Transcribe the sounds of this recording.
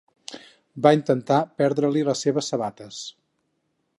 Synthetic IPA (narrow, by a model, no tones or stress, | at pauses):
baint̪ənt̪apɛɾðɾəliləsːeβəsːəβat̪əs